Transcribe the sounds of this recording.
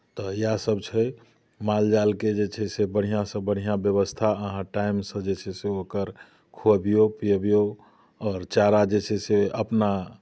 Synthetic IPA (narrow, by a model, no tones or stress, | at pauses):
t̪ɔjasəbt͡ʃʰɛ | mald͡ʒalked͡ʒet͡ʃʰɛsebəɽ̤ijãsə̃bəɽ̤ijãbjəβəst̪ʰaəɦãʈajmsə̃d͡ʒet͡ʃʰɛseokəɾ | kʰobijopiəbijo | ɔːɾt͡ʃaɾad͡ʒet͡ʃʰɛseəpna